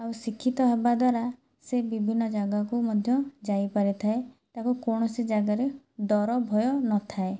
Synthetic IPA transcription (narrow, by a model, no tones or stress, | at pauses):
awsikʰːit̪ɔɦebad̪waɾa | sebibʱinːɔd͡ʒaɡakumɔd̪ʱjɔd͡ʒajpaɾit̪ʰaet̪akukoɽ̃ɔsid͡ʒaɡaɾe | d̪ɔɾɔbʱɔjɔnɔt̪ʰae